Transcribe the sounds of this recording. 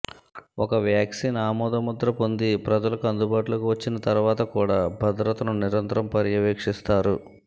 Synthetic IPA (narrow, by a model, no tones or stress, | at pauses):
ɔkɐʋjaːksiːnaːmɔːd̪ɐmud̪ɾɐpo̞nd̪ipɾɐd͡ʒɐlɐkuɐnd̪ubaːʈulɐkuʋɐt͡ʃːinɐt̪ɐɾuʋaːt̪ɐkuːɽaːbʱɐd̪ɾɐt̪ɐnuniɾɐnt̪ɐɾɐmpɐɾjɐʋeːkʂist̪aːɾu